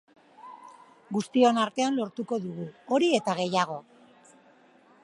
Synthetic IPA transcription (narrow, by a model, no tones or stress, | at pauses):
ɡust̪io̞naɾt̪e̞anlo̞ɾt̪uko̞ðuɣ̞uo̞ɾie̞t̪aɣe̞jaɣ̞o̞